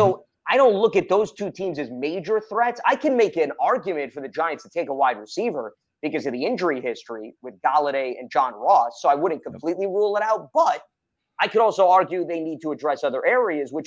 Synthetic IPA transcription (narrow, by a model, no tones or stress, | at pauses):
soʊ | aɪɾõʊ̃ntˡlʊkɨt̪̚ðoʊz̥tʰʉtʰĩmzɨzmeɪd͡ʒə˞θɹɛtsa̰ɪkʰɨ̃nmeɪkɨɨ̃nɑɹɡjɨmɨ̃ntfə˞ðɨd͡ʒaɪɨ̃ntstʰɨtʰeɪkəwaɪd̚ɹɨsivə˞ | b̥ɨkʌzʌvðiɪ̃nd͡ʒə˞ihɪstɹ̥iwɨðɡɑlˠəɾeɪɨ̰̃nd͡ʒɑ̃nɹɔsːoʊaɪwʊdⁿn̩kʰə̃m̩pʰl̥itˡliɹulˠəɾaʊt̚b̥ʌɾ̚ | aɪkɨɾɔlˠsoʊɑɹɡjʉðeɪnid̚tʰəːdɹɛsʌðə˞ʔɛɹiɨzwɨt͡ʃ